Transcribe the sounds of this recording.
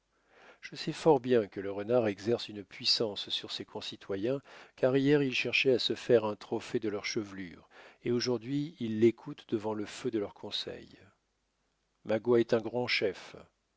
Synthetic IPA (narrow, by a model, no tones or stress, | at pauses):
ʒ̥əsɛfɔʁbjɛ̃kələʁənaʁɛɡzɛʁsynpɥisɑ̃sːyʁsekʰɔ̃sit̪wajɛ̃kaʁijɛʁilʃɛʁʃɛasəfɛʁɛ̃t̪χɔfɛd̪əlœʁʃəvly̰ːʁeoʒuʁd̪ɥiːlːekʰut̪d̪əvɑ̃ləfød̪əlœʁkʰɔ̃sɛ̰j | maɡwaɛt̪ɛ̃ɡʁɑ̃ʃɛf